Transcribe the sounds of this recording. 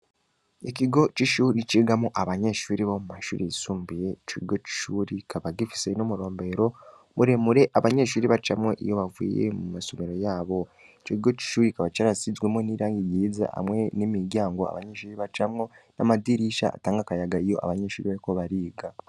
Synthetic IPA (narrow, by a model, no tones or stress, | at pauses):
ikiɡo̞t͡ʃiʃuːɾit͡ʃiːɡamuʔaβaɲe̞ʃuːɾiβomumaʃṵːɾisuːmbije̞t͡ʃiɡo̞ci̥ʃuɾikʰaβaɡifi̥se̞nomuɾo̞ːmbe̞ɾo̞ | βuɾe̞muɾe̞ʔaβaɲe̞ʃuːɾiβait͡ʃamŋeʔḭjo̞βavḭːjḛmumasomeɾo̞jaːβo̞ | t͡ʃoiɡo̞ci̥ʃuːɾikaβat͡ʃaɾasizwemoniːɾaːŋɡijiza̰ʔa̰mwe̞nimiɾjaːŋɡo̞a̰βaɲe̞ʃuːɾiβat͡ʃamŋo̞namadiɾiʃa̰a̰taːŋɡakajaɡaijo̞̰a̰βaɲe̞ʃuːɾiβaɾiko̞βaɾiːɡa